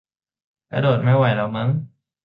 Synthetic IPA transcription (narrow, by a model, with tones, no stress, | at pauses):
ka̰˧doː˨˩t̪̚ma˥˩jwa˧˩jlaː˦˧˥wmɯ˦˥ŋ